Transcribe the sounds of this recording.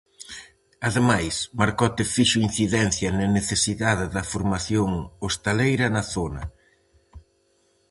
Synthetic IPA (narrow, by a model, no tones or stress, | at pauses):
ɐðemajsmaɾkɔt̪ɪfiʃoin̟θiðɛn̟θjɐnɐneθesiðaðɪðɐfoɾmaθjoŋost̪elejɾɐnɐθonɐ̰